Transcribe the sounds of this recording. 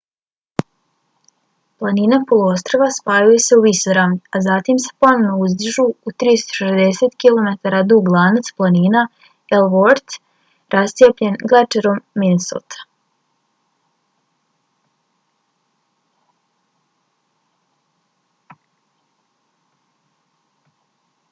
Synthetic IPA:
plˠaninapolˠuost̪ɾoʋaspaːjujese̞uisoɾamniazat̪imse̥ponoʋnouzd̪r̩ʒuut̪ɾist̪oʃezd̪e̞se̞t̪kilo̞met̪aɾad̪uɡlˠaːnat̪splˠaniːna | elʋoɾt̪ | ɾast̪sijepʎe̞nɡlat͡ʃeɾomːiniso̰t̪ʰḁ

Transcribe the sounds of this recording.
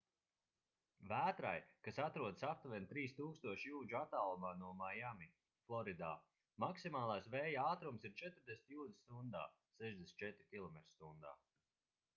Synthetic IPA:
væːt̪ɾa̰jkasat̪ɾuɔd̪ɨsap̚t̪vɛnt̪ɾiːst̪uːkst̪uɔʃjuːd͡ʒuat̪alˠmaːnuɔmajami | flˠɔɾid̪aː | maksimaːlˠaːsvɛːjaaːt̪ɾumsiɾt͡ʃɛt̪ɾd̪ʲesʲi̥t̪juːd̪st̪und̪a̰ː | sɛʒd̪esnʲt͡ʃɛt̪ɾikʲilˠɔmɛt̪ɾst̪und̪a̰ː

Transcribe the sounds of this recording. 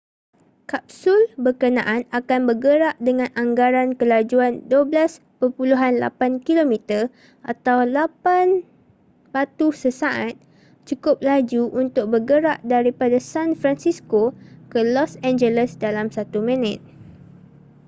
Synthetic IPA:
kap̚sʊlbərkənãʔanakanbərɡəɾaʔdəŋãnaŋɡaɾankəlad͡ʒuanduəblas | pərpuluɦanla̰pankilomit̪ər | ʔat̪awlapan | b̥at̪usəsaʔat̪̚ | t͡ʃukʊp̚lad͡ʒuʔunt̪ʊk̚bəɡəɾaʔdaɾipadasanfɾansiskokəlɔsɛ̃nd͡ʒələsdalamsat̪umə̃nɛ̃t̪̚

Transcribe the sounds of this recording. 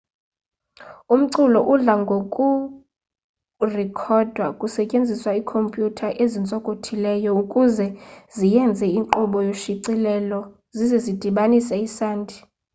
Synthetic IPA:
um̩ǀulɔʔuɮaŋɡʱokʼu | rɛkʰɔd̥ʱwakʼusɛcʼend͡zʱiswaikʰompʼjutʰaʔezint͡sʼɔkʼotʰilɛːjɔukʼuzɛzijɛnd͡zʱɛiŋǃɔɓɔjoʃiǀilɛlɔ | zizɛzid̥ʱiɓanisɛisaːndʱʼi̥

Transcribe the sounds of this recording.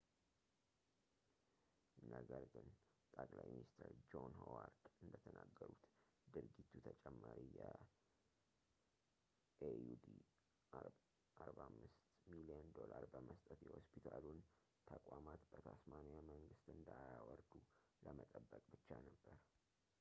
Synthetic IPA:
ɨnːəɡəɾɡɨn | t̪ʼəkʼlajminist̪ʰəɾd͡ʒonhowaɾd̪ɨnd̪ət̪ʰənaɡːəɾut̪ | d̪ɨɾɡit̪ʰːut̪ʰət͡ʃʼɛmːaɾijɛ | ejud̪i | ʔaɾbamːɨst̪miliənd̪o̞laɾbəməst̪ʼət̪jɛhospʰit̪ʰalun | t̪ʰəkʼamat̪bət̪ʰasmanjaməŋɡɨst̪ɨnd̪ajawɔɾd̪u | ləmət̪ʼəbːəkʼbɨt͡ʃːanəbːəɾ

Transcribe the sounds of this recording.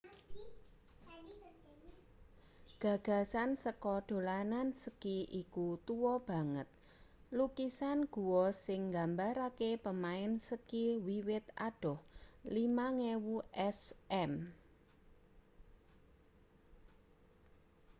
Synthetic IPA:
ɡ̥a̤ɡ̥a̤sansəkɔɖ̥o̤lanansəkiʔikut̪uwɔb̥a̤ŋət̪̚ | lukisanɡ̥ṳwɔsɪŋɡambaɾakepəmaɪnsəkiwiwɪt̪a̰ɖ̥ɔhlimaŋewuʔɛsʔɛm

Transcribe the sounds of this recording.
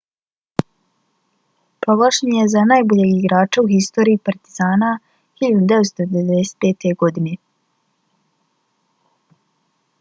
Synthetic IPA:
pɾo̞ɡlˠaʃenje̞zanajboʎeːɡiɡɾaːt͡ʃauhist̪o̞ːɾiːpaɾt̪izaːna | hiʎad̪ud̪eʋet̪st̪od̪eʋed̪eset̪̚peːt̪e̞ɡo̞d̪ine

